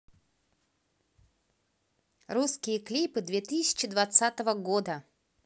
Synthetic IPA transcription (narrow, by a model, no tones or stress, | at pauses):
ruskʲijəklʲipɨd̪vʲet̪ɨssʲɪ̥t͡ɕɪd̪vɐt̪sat̪əvəɡod̪ə